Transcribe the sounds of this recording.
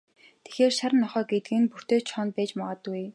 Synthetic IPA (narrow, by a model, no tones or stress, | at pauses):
t̪ʰe̥xeːrʃaɾə̆nːɔχœːɡet̪̚ɡɘ̆npur̥t̪eːt͡ɕʰɔnpæːt͡ɕmɔʁɔːt̪uj